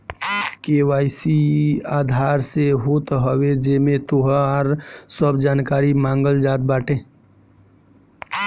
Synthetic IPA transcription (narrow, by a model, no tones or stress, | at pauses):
keːwaːɪsiaːd̪ʱaːɾseɦoːt̪ɦəwed͡ʒeːmẽt̪oɦaɾsəbd͡ʒaːnkaːɾimãːŋɡəld͡ʒaːt̪̚baːʈʰẽ